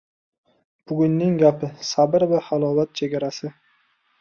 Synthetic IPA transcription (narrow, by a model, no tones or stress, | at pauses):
b̥ʊɡʲʊnːɪŋɡʲapʰɪsabɪɾvɪhalˠɒːvat̪̚t͡ʃʰe̞ɡʲaɾasɪ